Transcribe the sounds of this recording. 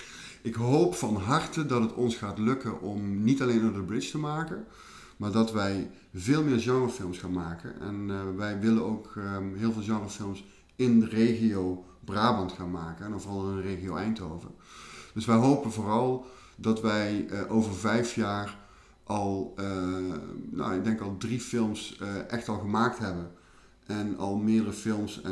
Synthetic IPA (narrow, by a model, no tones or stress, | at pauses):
ʔɪkɦowpfɑnɦɑrtədɑtɦətɔnsχaːtlɵkənʔɔmnitɑlejnoddəbrɪt͡ʃtəmaːkən | maːɹdɑtʋɛj | vɪːlˠmɪːɹʒɑŋəəfɪlˠmsχaːnmaːkə̰nʔɛ̰nʋɛjʋɪlənowkɦɪːlˠvɪːlˠʒɑŋərəfɪlˠms | ɪndərejχiow | braːbɑntxaːnmaːkənɛnɔvɔrɑlˠɪɪnəreːɣiowɛjntoːvə̰rd̥ɵsʋɛjɦowpənvʊːrɑlˠ | dɑtʋɛjʔowvəɹvɛjfjaːr | ʔɑlˠ | no̰ɪɡ̚dɛŋkɑlˠdrifɪlˠmsʔɛxtɑlˠɣəmaːk̚tɦɛbən | ʔɛnɑ̰lˠmɪːdərəfɪlˠmsɛ